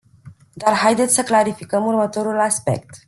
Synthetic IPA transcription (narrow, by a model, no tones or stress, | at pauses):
d̪arɦajd̪e̞t̪sʲsəklaɾifikəmurmət̪o̞ɾulaspe̞̰k̚t̪